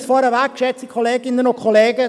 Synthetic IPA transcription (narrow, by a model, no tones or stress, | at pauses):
sfɔɾəʋæk̚kʃɛt͡sikʰoleːɡɪnənokʰoleːɡə